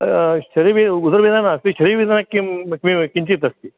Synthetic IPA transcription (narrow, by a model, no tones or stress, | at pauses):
ʃɐɾiʋiud̪ɐɾʋid̪ʱanaɐst̪iʃɐɾiʋid̪ʱaːnakːimkmikiɲt͡ʃit̪ɐst̪i